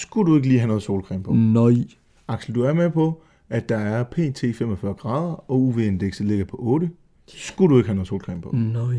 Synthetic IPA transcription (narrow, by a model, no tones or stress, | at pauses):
sɡ̥udue̝ɡ̥əliːɦænɔ̽ð̩ˠso̝ːlkʰʁɛ̰ːmpʰɔ̽n | ɑ̈ɡ̥sl̩d̥uæɐmepʰɒ̽ | ʔæd̥ːɑ̈æɐpʰe̝̰ːt͡sʰe̝̰ːfem̰ɒfɶːɐɡ̥ʁɑ̈ːð̞ˠɐɒ̽uʋe̝end̥eɡ̥səle̝ɡ̥ɐpʰɒ̽ʔɔ̽ːɾ̥ə | sɡ̥uɾue̝ɡ̥ɦænɔð̩ˠso̝ːlkʰʁɛ̰mpʰɔ̽